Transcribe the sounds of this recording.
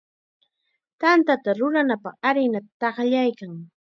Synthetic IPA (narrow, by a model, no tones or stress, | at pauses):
t̪ant̪at̪aɾʊɾanapɑχaɾɪnat̪t̪ɑχʎajkaŋ